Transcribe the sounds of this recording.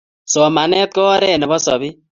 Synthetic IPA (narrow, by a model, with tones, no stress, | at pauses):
sɔ˨ma˨nɛ˦t̪̚kɔ˦ɾɛ˦˨nɛ˨bɔ˦sɔ̰˨bɪ˦